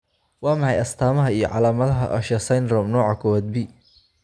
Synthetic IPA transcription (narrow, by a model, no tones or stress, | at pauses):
wɑːmɑħɑjɐst̪ʰaːmɐɦɐijɞ̰ʕɑ̰laːmɐðɐɦɐʔɐʃɐsɐjnrɔmnɔːʕɑkʰɔwɐd̪̚bi